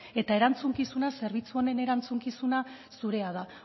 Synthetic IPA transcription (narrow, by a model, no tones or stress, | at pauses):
e̞t̪ae̞ɾant͡suŋkisunase̞ɾβ̞it͡suo̞ne̞ne̞ɾant͡suŋkisunasuɾe̞að̞a